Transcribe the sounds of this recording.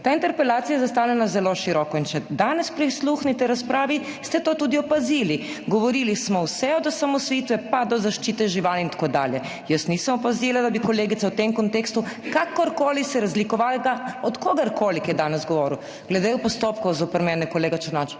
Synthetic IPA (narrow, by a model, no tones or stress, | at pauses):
t̪aint̪ɛɾpɛlaːt̪sijajɛzast̪aːwlɛnazɛloʃiɾɔːkɔint͡ʃɛd̪aːnɛspɾisluxnit̪ɛɾaspɾaːʋi | st̪ɛt̪oːt̪uːd̪iɔpazili | ɡɔʋɔɾilismɔwsɛɔd̪ɔsamɔsʋit̪ʋɛpad̪ɔzaʃt͡ʃiːt̪ɛʒiʋalint̪ḁkoːd̪a̰ːljɛ | jəst̪nisəmɔpazilad̪abikɔleːɡit̪sawt̪emkɔnt̪eːkst̪ukakɔɾkoːlisɛɾazlikɔʋalɡaɔt̪koɡɐɾkolikjɛd̪aːnɛzɡɔʋɔːɾiw | ɡ̥lɛd̪eɔpɔst̪opkɔwzopɛɾmɛnɛkɔleːɡat͡ʃɛɾnat͡ʃ